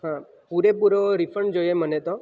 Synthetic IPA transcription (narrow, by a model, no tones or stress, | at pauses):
ɦã | puɾepuɾoɾifʰəɳd͡ʒojemənet̪o